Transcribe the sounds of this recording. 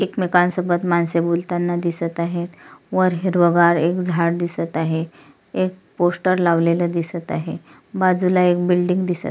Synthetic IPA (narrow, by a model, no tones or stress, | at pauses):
ekmekansəbət̪mansebult̪anːad̪isət̪aɦet̪ʋəɾɦiɾʋəɡaɾekd͡zʱaɽd̪isət̪aɦe | ek̚posʈəɾlaʋleləd̪isət̪aɦe | bad͡zulaek̚bilɖiŋɡd̪isə̰t̪